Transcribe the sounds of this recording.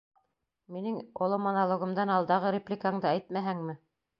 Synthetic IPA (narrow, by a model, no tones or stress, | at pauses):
minɘŋŏlˠomonalˠŏɡŏmd̪ɑnɑlˠd̪ɑʁɤɾʲeplʲikaɴd̪ɤæjt̪mæɦæŋmɘ